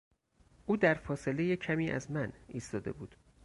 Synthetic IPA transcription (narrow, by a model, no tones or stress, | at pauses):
ʔuːd̪æɾfɒːse̞le̞jecʰæmiːʔæ̰zmæniːst̪ɒːd̪e̞̰buːd̪̥